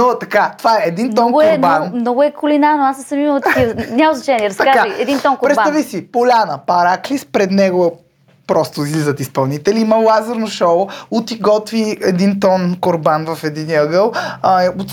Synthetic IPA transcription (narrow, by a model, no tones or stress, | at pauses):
not̪ɐkat̪ovaɛɛd̪inmt̪ɔnɡʊɛɾbanmnɔɡʊɛkʰʊlinaɾnoasɐsɐmimt̪ɐkinʲamoznɐt͡ʃɛniɛɾɐst̪ɐkazajɛd̪int̪ɔnkopɾɛt̪b̪avisipolʲanəpɐɾaklispɾɛd̪nɛɡʊɛ | pɾɔst̪oizlizət̪ispɐlˠnit̪ɛliiməlazəɾnoʃɔot̪iɡɔt̪viɛd̪int̪ɔnkoɾbanvɐfɛd̪iniəɡəlˠot̪